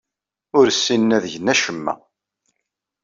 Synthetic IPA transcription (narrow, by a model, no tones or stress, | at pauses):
ʊɾsːinːæðʝənːæʃəmːæ̰